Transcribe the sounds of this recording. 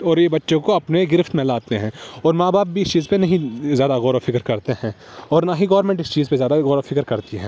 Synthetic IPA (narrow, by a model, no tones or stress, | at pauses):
ɔːɾjebɐtːʃõkoɐpneɡɪɾɪft̪mɛlaːt̪eɦɛ̃ːɔːɾmãːbaːp̚bʱiɪst͡ʃiːzpenɐɦĩzjaːd̪aɡɔːɾɔfʰɪkəɾkɐɾt̪ehɛ̃ː | ɔːɾnaɦiɡɔːɾmẽːɳʈɪst͡ʃiːzpezjaːd̪aɡɔːɾɔfʰɪkəɾkɐɾt̪iɦɛ̰̃ː